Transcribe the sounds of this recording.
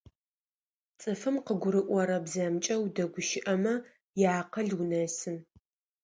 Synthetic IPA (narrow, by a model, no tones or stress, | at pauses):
t͡sʼɨfɨmqəɡʷʊɾɨʔʷɔɾɐbzɐmt͡ʃʼɐwdɐɡʷʊʃɪʔɐmɐ | jaːqɐɮwʊnɐsɨn